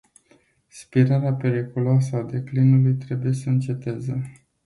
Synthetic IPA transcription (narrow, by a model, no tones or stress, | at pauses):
spiɾaɾeape̞ɾikuloasəad̪e̞klinulujt̪ɾe̞buje̞səɨnt͡ʃe̞t̪eze